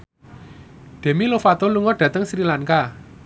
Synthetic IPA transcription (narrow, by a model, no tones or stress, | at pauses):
ɖ̪̥e̤milofat̪oluŋɔɖ̥ä̤t̪əŋsɾilaŋka